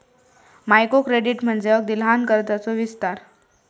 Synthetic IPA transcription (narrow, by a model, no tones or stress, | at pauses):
majkokɾeɽiʈm̤əɳd͡zeək̚d̪ilɦankəɾt̪at͡soʋist̪aɾ